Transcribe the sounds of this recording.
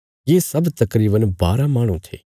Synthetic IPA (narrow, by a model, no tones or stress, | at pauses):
jeːsɐbt̪ɐkɾiːbənbaːɾamaːɽ̃ũt̪ʰḛː